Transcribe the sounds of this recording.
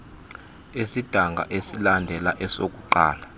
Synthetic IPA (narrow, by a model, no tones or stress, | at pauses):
esid̥ʱaŋɡʱa̰ʔesilandʱɛlaʔɛsok̬ʼuǃa̰ːla